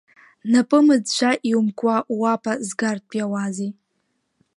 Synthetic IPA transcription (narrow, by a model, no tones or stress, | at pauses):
napʼɨmɨd͡zʃʷʰaʔiwmkʷʼawapʰʼazɡart̚pʼjawazi